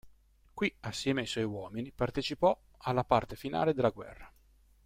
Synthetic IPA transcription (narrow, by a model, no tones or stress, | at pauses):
kwiasːjɛːmeajswɔjwɔːminipart̪et͡ʃipɔ | alːapart̪efina̰ːled̪elːaɡwɛ̰rːa